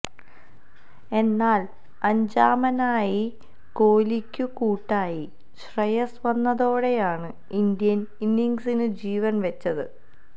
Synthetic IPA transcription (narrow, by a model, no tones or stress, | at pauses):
e̞nːaːl | ɐɲd͡ʑaːmɐnaːji | ko̞ːlikʲːukuːʈːaːji | ɕrɐjɐsʋɐnːɐðo̞ːɽe̞jaːɳɨ | ind̪jɐninːiŋsinɨd͡ʑiːʋɐnʋɐt͡ɕːɐðɨ